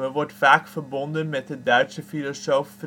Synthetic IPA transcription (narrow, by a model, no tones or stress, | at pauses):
əʋɔɹtfaːkfəɹbɔndənmɛt̚dədœɥtsəfilɔsowf